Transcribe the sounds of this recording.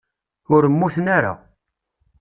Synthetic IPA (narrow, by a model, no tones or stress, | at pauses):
ʊɾəmːuθnaɾa̰